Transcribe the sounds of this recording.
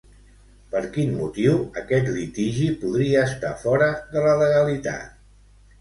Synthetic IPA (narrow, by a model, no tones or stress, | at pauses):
pəɾkinmut̪iwəkɛt̪lit̪iʒipuðɾiəːst̪afɔɾəðələləɣəlit̪a̰t̪